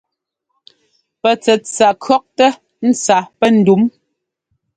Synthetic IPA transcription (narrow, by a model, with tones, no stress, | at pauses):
pɛ˨t͡sɛ˨t͡sa˨kʰɰɔ˦k̚tɛ˦ | n̩˦t͡sa˨pɛ˦n̩˨du˨˦m